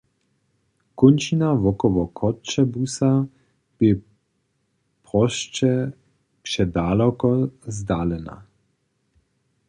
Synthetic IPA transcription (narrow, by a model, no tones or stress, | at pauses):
kunt͡ʃinaʋɔkɔʋɔkʰɔt͡ʃɛbusa | b̥e | pʁɔʃt͡ʃɛ | pʃɛd̪aːlɔkɔzd̪aːlɛna̰